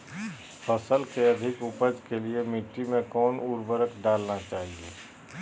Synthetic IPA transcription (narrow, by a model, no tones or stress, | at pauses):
pʰəsəlkeɐd̪ʱɪkʊpəd͡ʒkeliemɪʈːimẽkɔːnuɾbəɾəkɖaːlnat͡ʃaːɦieː